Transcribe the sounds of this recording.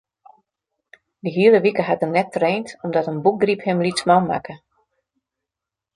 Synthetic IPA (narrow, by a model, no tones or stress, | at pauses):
dəɦiələʋikəɦat̚ərnɛtːreːntɔmdɔtənbuk̚ɡriphɪmlitsmawma̰kə